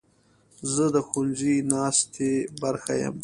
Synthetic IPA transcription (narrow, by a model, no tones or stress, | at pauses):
zəd̪əxʊnzinɑst̪ʰebaɾxajə̰m